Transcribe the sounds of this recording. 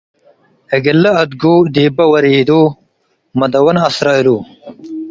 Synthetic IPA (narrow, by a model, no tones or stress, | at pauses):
ɐɡɐlːɐɐd̪ɡuːd̪iːbɐwɐɾid̪uː | mɐd̪ɐwɐnɐsɾɑːiluː